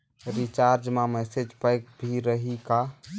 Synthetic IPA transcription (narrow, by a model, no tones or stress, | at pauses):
ɾit͡ʃaɾd͡ʒmamɛsed͡ʒpajk̚bʱiɾəɦika